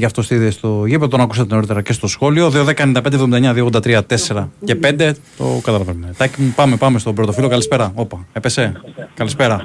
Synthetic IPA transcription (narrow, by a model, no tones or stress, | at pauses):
ʝɐft̪o̞st̪iðest̪o̞ʝipet̪onɐkus̬ɐt̪et̪eneo̞ɾit̪e̞ɾɐce̞st̪o̞sxo̞lio̞ðio̞ðe̞kɐenind̪pend̪evðomid̪eɲɐðioɣod̪ɐt̪ɾiɐt̪e̞se̞ɾɐce̞pe̞nd̪e̞t̪o̞̰kɐt̪ɐlɐvenmet̪ɐcimupɐme̞pɐme̞st̪o̞bɾot̪o̞filo̞kɐlispe̞ɾɐo̞pɐe̞pe̞se̞kɐlispe̞ɾɐ